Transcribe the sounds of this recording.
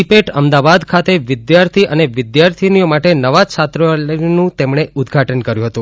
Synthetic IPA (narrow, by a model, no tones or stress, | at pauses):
ipeʈəmd̪abad̪kʰat̪eʋɪd̪jaɾt̪ʰiʔəneʋɪd̪jaɾt̪ʰinijomaʈenəʋat͡ʃʰat̪ɾənũt̪emɳeud̪ɡʱaʈənkəɾjũɦət̪ũ